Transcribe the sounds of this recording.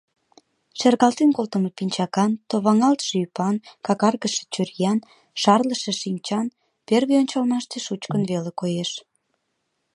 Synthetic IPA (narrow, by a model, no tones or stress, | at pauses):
ʃerɣɑlt̪enkolt̪əməpinʲt͡ɕɑkɑnt̪oβɑŋɑlt̪ʃeypɑnkɑkɑrɣəʃe̥t͡ɕyrjɑn | ʃɑrləʃe̽ʃimʲt͡ɕɑn | perɣeonʲt͡ɕɑlmɑʃt̪eʃut͡ɕkənβelekojeʃ